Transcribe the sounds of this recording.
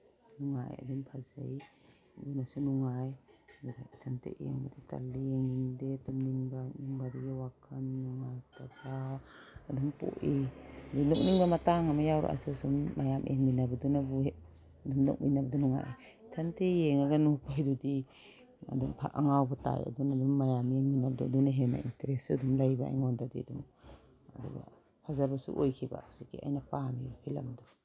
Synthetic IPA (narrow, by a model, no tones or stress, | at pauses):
nuŋa̰ja̰dumpʰaza̰j | dunasunuŋajbuda̰tʰantḛʔḛŋbadita̰lieŋindetumniŋbaniŋbaɾiɡawakʰanːuŋajtaɡa | adɔmpo̰ʔidinɔk̚niŋbamataŋamajawɾa̰ʔa̰sɔsumːajamʔeŋminabadɔnabue | dumnɔ̰k̚minabɐdunuŋa̰ʔi | tʰantejeŋaɡanupajdudi | a̰dumpʰa̰ʔa̰ŋawbata̰ja̰dunadumːajameŋminabɐduadunaɦena̰ḭnteɾesuɐdumlajba̰a̰jŋondadiɐdum | ɐdṵɡa̰ | pʰazaɾbasṵʔojkʰiba̰dikia̰jnɐpamibapʰilɐ̰mdu